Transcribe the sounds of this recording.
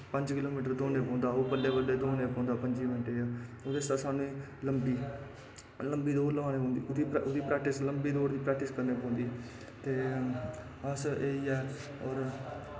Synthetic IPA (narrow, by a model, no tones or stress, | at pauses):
pəɲd͡ʒkɪloːmiːʈəɾd̪oːneːpɔ̃ːnd̪aːoːpəlːeːʋəɖeːd̪oːnẽːpɔ̃ːnd̪aːpəɲd͡ʒiːmɪnʈeːaoːd̪eːsaːsaːnũːĩːləmbiː | ləmbiːd̪oːɾləʋãːñeːpõːnd̪iːd̪iːpʔʊd̪iːpɾɛːk̚ʈɪsləmbiːd̪oːɾd̪iːpɾɛːk̚ʈɪskəɾneːpãːnd̪iː | t̪eː | əseːiːɛː | ɔːɾ